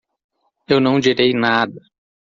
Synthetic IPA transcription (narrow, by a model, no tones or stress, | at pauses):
ewnɐ̃w̃d͡ʒiɾejnad̪ɐ